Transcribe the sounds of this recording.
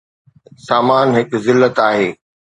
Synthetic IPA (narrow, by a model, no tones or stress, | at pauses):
saːmaːnɦɪkzɪlːət̪aːɦeː